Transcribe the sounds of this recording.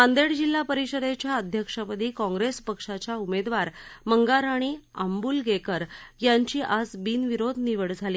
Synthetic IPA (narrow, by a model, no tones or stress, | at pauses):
mãnd̪eɽd͡ʑilːapəɾiɕəɾet͡ɕjaəd̪ʱjəkʂapəd̪ʱiːkɔ̃ŋɡɾespəkʂat͡ɕjaumed̪ʋaɾməŋɡaɾaɽ̃iambuːlɡekəɾjaɲt͡ɕiːʔad͡zbiːnʋiɾod̪ʱniʋəɽd͡zʱaliː